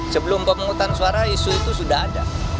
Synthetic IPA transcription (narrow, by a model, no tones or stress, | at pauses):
səbəlʊmbaməŋut̪ansuaɾaisuit̪usudahada